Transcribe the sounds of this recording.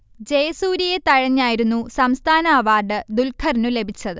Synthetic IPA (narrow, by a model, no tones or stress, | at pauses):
d͡ʑejɐsuːɾije̞t̪ɐɻɐɲːaːjiɾunːusɐmst̪ʰaːnaːʋaːɖɨd̪ulkʰɐrnule̞bʱit͡ɕːɐðɨ